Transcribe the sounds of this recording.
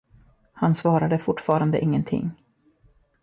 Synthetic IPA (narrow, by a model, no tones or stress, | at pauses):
hansvɑːɾad̪əfʊʈːfɑːɾand̪ə̰ʔɪŋːənt̪ʰɪ̰ŋː